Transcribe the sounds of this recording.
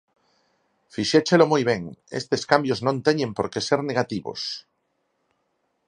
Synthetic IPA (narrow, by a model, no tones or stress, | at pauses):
fiʃet͡ʃelomujβ̞eŋḛst̪eskambjoznõnt̪eɲẽ̞mpo̞ɾkeseɾneɣ̞at̪iβo̰s